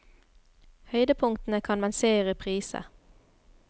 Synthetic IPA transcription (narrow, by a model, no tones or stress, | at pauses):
hœʏd̪əpʰʊŋt̪n̩əkʰɑnmɛnseːʁəpʰʁiːsə̰